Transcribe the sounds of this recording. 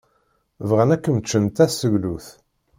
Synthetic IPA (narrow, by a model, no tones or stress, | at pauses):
vʁənækːəmət͡ʃːənt̪æsəʝluθ